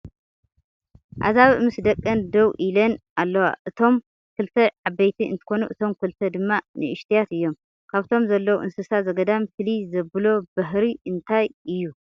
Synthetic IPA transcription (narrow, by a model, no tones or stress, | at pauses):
ʔa̰zaβmɨsd̪ɐkʼːɐnd̪ɐwʔilɐnalːɐwa̰ʔɨt̪ʰo̞m | kʰɨlt̪ʰɐʕabːɐjt̪ʰiɨ̰nt̪ʰɨ̥xo̞nuʔɨt̪ʰo̞mkʰɨlt̪ʰɐd̪ɨmːanɨ̰ɨʃt̪ʰijat̪ɨjːo̞m | kʰaβt̪ʰo̞mzɐlːɐwʔɨnsɨsazɐɡɐd̪amfɨlizɐbɨlo̞bɐɦɾiʔɨnt̪ʰajʔɨjːu